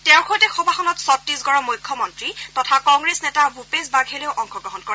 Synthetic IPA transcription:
tɛʊ̃xojtɛxɔbʱaxɔnɔtsɔtɹisɡɔɹɔmujkʰːɔmɔntɹitɔtʰakɔŋɡɹesnɛtabupezbaɡʱɦeleʊʔɔŋxɔɡɹɔɦɔnkɔɹɛ

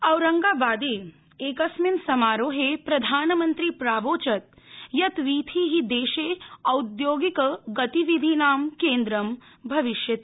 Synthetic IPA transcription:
ɐwɾɐ̃ŋɡaːbaːd̪eː | eːkɐsminsɐmaːɾoːɦepɾɐd̪ʱaːnɐmɐ̃nt̪ɾipɾaːʋoːt͡ʃɐt̪̚ | jɐt̪ʋiːt̪ʰiːɦid̪eːʃeːɐud̪joːɡikɡɐt̪iʋid̪ʱinaːmkẽːnd̪ɾɐm | bʱɐʋɪʃjɐt̪i̥

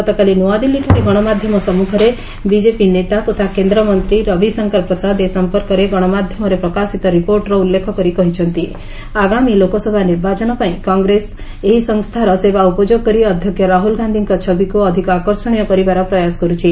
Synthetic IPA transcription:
kɔt̪ɔkalinuad̪ilːiʈʰɔɾeɡɔɽ̃ɔmad̪ʱjɔmɔsɔmukʰɔɾe | bid͡ʒepinet̪at̪ot̪ʰakend̪ɾɔmɔnt̪ɾiɾɔbʱisɔŋkaɾpɾɔsad̪esɔmpɔɾkɔɾeɡɔɽ̃ɔmad̪ʱjɔmɔɾepɾɔkasit̪ɔɾipoɾʈɾɔulːekʰɔkɔɾikɔɦit͡ʃʰɔnt̪i | aɡamilokosɔbʱaniɾbat͡ʃɔñɔpaĩkɔŋɡɾes | eɦisɔŋst̪ʰaɾɔsebaupɔd͡ʒoɡ̚kɔɾiɔd̪ʱjɔkjɔɾaɦulɡʱand̪ʱiŋkɔt͡ʃʰɔbʱikuɔd̪ʱikɔakɔɾsɔɽ̃ijɔkɔɾibaɾɔpɾɔjaskɔɾut͡ʃʰi

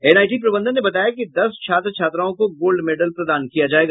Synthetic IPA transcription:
ɛnaːjʈipɾɐbə̃nd̪ənːebɐt̪aːjakid̪ɐst͡ʃʰaːt̪ɾt͡ʃʰaːt̪ɾaːõkoɡoːlɖmeːɖəlpɾɐd̪aːnkijad͡ʒaːeːɡaː

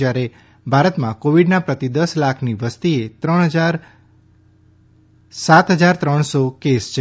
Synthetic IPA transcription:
jaɾe | bʱaɾət̪mãkoʋiɖnapɾət̪id̪əslakʰniʋəst̪iet̪ɾəɳ̃ɦəd͡ʒaɾ | sat̪ɦəd͡ʒaɾt̪ɾəɳ̃sokest͡ʃʰe

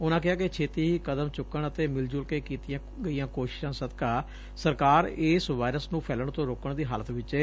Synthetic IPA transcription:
ʊnãːkɪɦaːket͡ʃʰeːt̪iːɦiːkəd̪əmt͡ʃʊkːəɳət̪eːmɪld͡ʒʊlkeːkiːt̪ɪjãː | ɡəijãːkoːʃɪ̥ʃãːsəd̪kaː | səɾkaːɾeːsʋaːɪɾəsnũːpʰɛːləɳt̪õːɾoːkəɳd̪iːɦaːlət̪ʋɪt͡ʃɛː

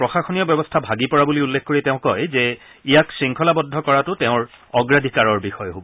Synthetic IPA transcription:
pɹɔxaxonijɔbɛbɔstʰabʱaɡipɔɹabuliulːexkoɹiɛtɛʊ̃kɔjzɛ | ijaksɹiŋkʰɔlabɔdʱːɔkɔɹatʊtɛʊ̃ɹ | ɔɡɹadʱikaɹɔɹbixɔjɦobɔ

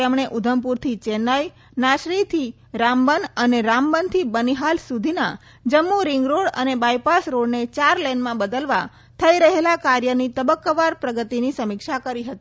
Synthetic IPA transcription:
emɳ̃eʔud̪ʱəmpuɾt̪ʰit͡ʃenaj | naʃɾit̪ʰi | ɾambənəneɾambənt̪ʰibəniɦalsud̪ʱina | d͡ʒəmːuɾɪŋɡɾoɽə̰nebajpasɾoɽnet͡ʃaɾlɛnmãbəd̪əlʋa̰ | t̪ʰəiɾəɦelakaɾjənit̪əbəkːəʋaɾpɾəɡət̪inisəmɪkʃakəɾiɦət̪i

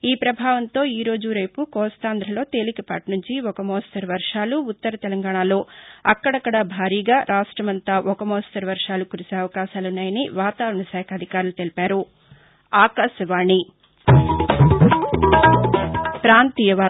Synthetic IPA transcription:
iːpɾɐbʱaːʋɐnt̪o̞ːiːɾo̞ːd͡ʒuɾɐjpukɔːst̪aːnd̪ɾɐlo̞ːt̪e̞ːlikɐpa̰ːʈnuɲt͡ʃiɔkɐmɔːst̪ɐɾɐʋɐɾʂaːluːt̪ːɐɾɐt̪ɛlɐŋɡaːɳaːlo̞ːɐkːɐɽɐkːɐɽabʱaːɾiːɡaːɾʔaːʂʈɾɐmɐnt̪aːʔɔkɐmɔːst̪ɐɾʋɐɾʂaːlukuɾiseːɐʋɐkaːʃaːlunːaːjɐniʋaːt̪aːɾɐɳɐsɛːkʰɐd̪ʱikaːɾulut̪e̞lipaːɾu | aːkaːsɐʋaːɳi | pɾaːnt̪iːjɐʋaː

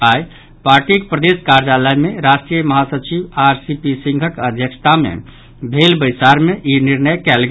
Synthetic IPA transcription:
aj | paɾʈikpɾəd̪eskaɾd͡ʒaləjmeɾasʈɾijəməɦasət͡ʃibaɾsipisĩŋɡʱəkəd̪ʱjəkʃʰt̪amḛ | bʱelbəjsaɾmeʔiniɾnəjkɛlɡe

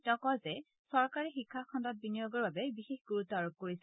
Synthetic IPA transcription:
tɔkɔzɛ | sɔɹkaɹixikʰːakʰɔndɔt̚binijoɡɔɹbabɛbixexɡuɹutːɔaɹob̚koɹisɛ

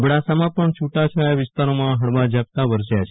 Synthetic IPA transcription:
bɽasamãpəɳt͡ʃʰuʈat͡ʃʰajaʋɪst̪aɾomãɦəɽʋad͡ʒap̚t̪aʋəɾsjat͡ʃʰe

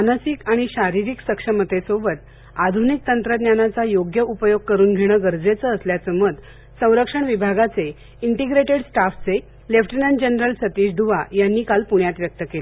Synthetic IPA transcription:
anəsikaɽ̃iɕaɾiɾiksəkʂəmət̪ːesobət̪ | ad̪ʱunik̚t̪ənt̪ɾəd̪njanat͡sajoɡjəʔupəjoɡ̚kəɾuːnɡʱeɽ̃əːɡəɾd͡zet͡səːsljat͡səməd̪ | sə̃w̃ɾəkʂəɳʋibʱaɡat͡se | iɳʈiɡɾeʈeɽsʈaft͡se | lefʰʈinənd͡ʑenɾəlsət̪iːd͡ʑd̪ʱuʋajanːiːkalpuɳ̃jat̪ʋjək̚t̪əkele

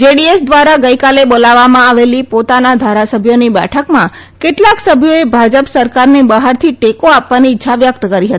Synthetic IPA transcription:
d͡ʒeɽiesd̪ʋaɾaɡəjkalebolaʋːamãaʋelipot̪anad̪ʱaɾasəbʱjonibɛ̰ʈʰəkmã | keʈlaksəbʱjoebʱad͡ʒəpsəɾkaɾnibaɦaɾt̪ʰiʈekoapʋaniɪtːʃʰaʋjəkt̪kəɾiɦət̪i̥

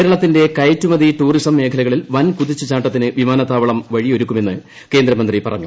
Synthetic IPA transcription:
ɾɐɭɐt̪ːinde̞kɐjtːumɐðiʈuːrisɐmːe̞ːkʰɐlɐɣɐɭilʋɐnkuðit͡ɕːɨt͡ɕaːʈːɐt̪ːinɨʋimaːnɐt̪ːaːʋɐɭɐmʋɐɻioɾukːume̞nːɨ | ke̞ːnd̪ɾɐmɐnd̪ripɐrɐ̰ɲːu

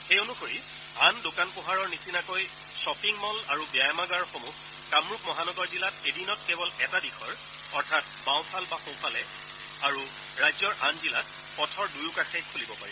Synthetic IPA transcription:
xejonukoɹi | andokanpʊɦaɹɔɹnisinakoj | sɔpiŋmɔlaɹubajmaɡaɹxomux | kamɹuk̚mɔɦanɔɡɔɹzilatedinɔt̚kɛbɔlɛtadixɔɹ | ɔɹtʰat̚ | bãw̃xalbaxõw̃pʰalɛ | aɹu | ɹajzɔɹʔanzilat̚ | pɔtʰɔɹdujʊkaxejkʰulibɔpaɹi

